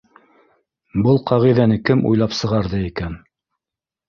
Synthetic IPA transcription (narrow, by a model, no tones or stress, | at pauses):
bɤlˠqʰɑʁiðænɘkɘmṵjlˠɑpsɤ̆ʁɑɾðɤikæn